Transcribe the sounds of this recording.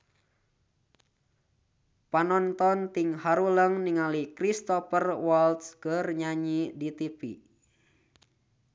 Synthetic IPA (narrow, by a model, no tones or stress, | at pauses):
panɔnt̪ɔnt̪iŋhaɾuləŋniŋalikɾist̪ɔpərwalt̪skərɲaɲidit̪ipḭ